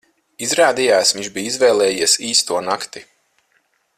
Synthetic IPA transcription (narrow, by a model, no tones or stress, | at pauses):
izɾaːd̪ijaːsvĩɲʲt͡ʃbiːizvɛːlˠɛːjiɛsiːst̪uɔnakt̪i